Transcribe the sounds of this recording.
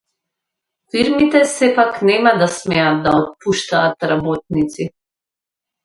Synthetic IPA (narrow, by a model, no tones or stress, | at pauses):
fiɾmit̪ɛsɛpaknɛmad̪asmɛad̪̚d̪aɔt̪̚puʃt̪aːt̪ɾabɔt̪̚nit̪si